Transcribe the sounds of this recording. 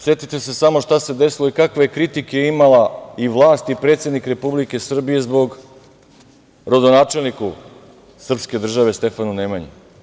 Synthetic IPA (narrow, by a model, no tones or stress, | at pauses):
set̪it̪esesamo̞ʃt̪ase̞d̪e̞silo̞ikakʋejekɾit̪ikeimalaiʋlˠaːst̪ipɾe̞ːt̪sje̞d̪nikɾe̞publike̞sr̩bije̞zbo̞ɡ | ɾod̪onaːt͡ʃe̞lˠniku | sr̩pske̞d̪r̩ʒaʋe̞st̪e̞fanunemaɲḭ